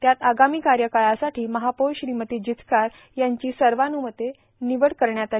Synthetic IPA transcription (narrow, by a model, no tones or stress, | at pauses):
t̪jat̪aɡamiːkaɾjəkaɭasaʈiːməɦapoɭɕɾimət̪id͡ʑit̪kaɾ | jaɲt͡ɕiːsəɾʋanumət̪ːe | niʋəɽkəɾɳjat̪a